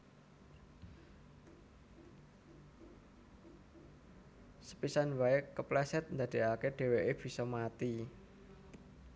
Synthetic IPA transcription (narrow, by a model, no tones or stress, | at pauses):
sə̥pisanwaɪkːəplɛsɛt̪̚nd̪a̤d̪̥e̤ʔakeɖ̥e̤weʔeb̥i̤sɔmat̪i